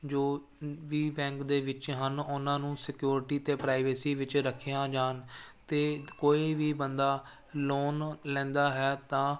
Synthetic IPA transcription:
d͡ʒoː | ʋiːbɛ̃ːŋkd̪eːʋɪt͡ʃɦənʊnãːnũːsɪkjuːɾʈiːt̪eːpɾaːɪʋeːsiːʋɪt͡ʃɾəkʰejãːd͡ʒaːnt̪eːkoːiːʋiːbənd̪aː | loːnlɛ̃ːnd̪aːɦɛːt̪ãː

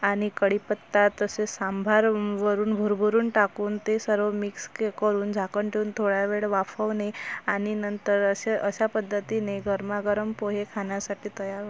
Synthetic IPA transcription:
aɽ̃ikəɽipət̪ːat̪ːəsesambʱaɾʋəɾuːnbʱuɾbʱuɾuːnʈakuːnt̪esəɾʋəmikskekəɾuːnd͡zʱakəɳʈʰeuːnt̪ʰoɭaʋeɭʋafəʋneaɽ̃inənt̪əɾəɕeʔəɕapəd̪ʱːət̪ineɡʱəɾmaɡəɾəmpoɦekʰaɳjasaʈiːt̪əjaɾɦo

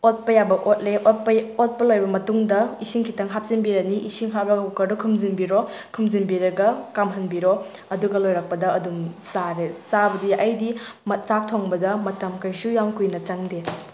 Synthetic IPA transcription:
ot̚pɐjabɐʔot̚leʔot̚pɐot̚pɐlojbɐmɐtuŋdɐisiŋkʰitɐŋɦap̚sinbiɾɐniʔisiŋɦat̚bɐɡɐukɐɾdukʰumzinbiɾo | kʰumzinbiɾɐɡɐkamɦɐnbiɾo | ɐduɡɐlojɾɐk̚pɐdɐɐdumsaɾesabɐdiʔɐjdimɐt̚t͡ʃak̚tʰoŋbɐdɐmɐtɐmkɐjsujaŋkujnɐt͡ʃɐŋde

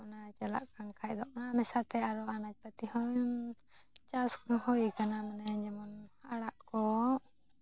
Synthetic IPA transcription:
ʔnat͡ʃɛla̰ʔkaŋkʰac̚d̪ɔʔnamɛsat̪ɛaɾɔanad͡ʒ̚pat̪ihɔjn | t͡ʃaskhɔjkanamanɛd͡ʒɛmɔnaɽaʔkɔ

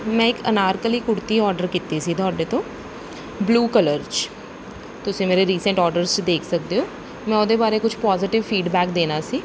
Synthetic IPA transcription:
mɛ̃ːɪkənaːɾkəliːkʊɽt̪iːɔːɾɖəɾkiːt̪eːsiːt̪ʊaːɖeːt̪õː | bluːkələɾt͡ʃ | t̪ʊsĩːmeːɾeːɾiːsə̃ɳʈɔːɾɖəɾzt͡ʃd̪eːkʰsək̚d̪eːoː | mɛ̃ːʊd̪eːbaːɾeːkʊt͡ʃʰpɔːzɪʈɪʋfʰiːɖbɛːk̚d̪eːnaːsiː

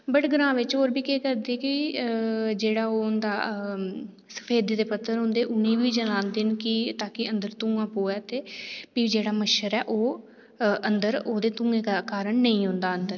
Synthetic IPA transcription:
bəʈɡəɾãːʋɪt͡ʃɦoːɾbiːkeːkəɾd̪eːkɪ | d͡ʒeːɽaːoːnd̪aː | sə̥pʰeːd̪eːd̪eːpət̪ʰːəɾɦõnd̪eːʔʊnĩːʋiːd͡ʒəlãːnd̪eːnkɪt̪aːkɪənd̪əɾt̪ũːɡãːpoːɛːt̪eːpid͡ʒeːɽaːməʃəɾɛːʔoː | ʔənd̪əɾoːd̪eːt̪ʊũːɡẽːkaːkaːɾəɳnəĩːɦʊ̃nd̪aːənd̪əɾ

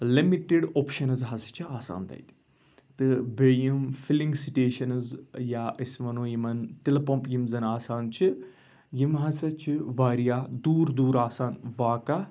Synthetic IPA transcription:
limiʈiɖoːpʃɐnɨzɦɐsɐ̥t͡ʃʰiaːsa̰ːnt̪ɐ̰jt̪i̥ | t̪ɨbeːjimfilĩŋɡsiʈeːʃɐnɨzjaʔɐsʋɐnoːjimɐnt̪ilɐpɐ̃mpjimzɐnaːsaːnt͡ʃʰi | jimɦɐsɐt͡ʃʰiʋaːɾijaːd̪uːɾd̪uːɾaːsaːnʋaːkɐ

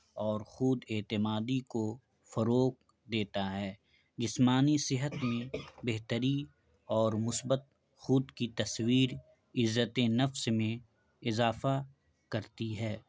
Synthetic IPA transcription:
ɔːɾxʊd̪eːt̪ɪmaːd̪iko | fɐɾoːk̚ | d̪eːt̪aɦɛː | d͡ʒɪsmaːnisɪɦət̪mẽbeɦt̪əɾi | ɔːɾmʊsbət̪̚ | xʊd̪kit̪ɐswiːɾ | ɪzːət̪enɐfsmẽ | ɪzaːfa | kɐɾt̪iɦɛː

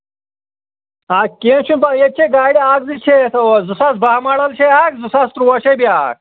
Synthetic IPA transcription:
aːkenɕʰunbɐjet̪̚t͡ɕʰeɡaːɽiaːɡ̚zit͡ɕʰet̪ɐzusɐsbaːmɐɽɐlɕʰeaːkzusɐst̪ɾuwɐɕebjaːk̚

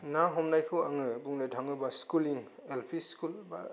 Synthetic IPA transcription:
naɦɔmnajkʰɯwaŋɯbuŋnɯdʰʱaŋɯbaskuliŋelpʰiskulba̰

